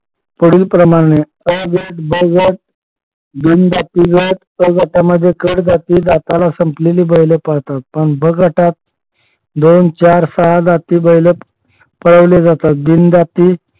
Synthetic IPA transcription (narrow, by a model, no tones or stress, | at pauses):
pəɽiːlpɾəmaɽ̃e | əɡəʈbəɡəʈ̚ | d̪iːnd̪at̪iɡəʈ | əɡəʈaməd̪ʱːjekəɽd͡zat̪iːd̪at̪alasəmpleliːbəjlepəɽt̪at̪̚pəɳbəɡəʈat̪̚ | d̪ont͡ɕaɾsəaɦad͡zat̪iːbəɦjle | pəɽəʋled͡zat̪at̪̚b̪ind̪at̪iː